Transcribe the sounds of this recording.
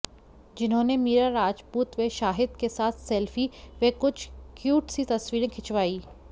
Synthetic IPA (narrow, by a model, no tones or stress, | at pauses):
d͡ʒɪnɦõːnemiːɾaɾaːd͡ʒpuːt̪ʋeʃaːɦɪd̪kesaːt̪ʰsɛːlfiʋekʊt͡ʃʰkjuːʈsit̪ɐsʋiːɾẽkʰɪt͡ʃʋaːiː